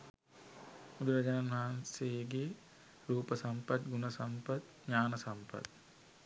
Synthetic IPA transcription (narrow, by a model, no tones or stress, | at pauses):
ud̪uʋɐd͡ʒɐnanʋɐɦanseɡe | ɾuːpəsɐmpɐt̪̚ɡunɐsɐmpət̪̚ | ɲaːnɐsɐmpə̰t̪̚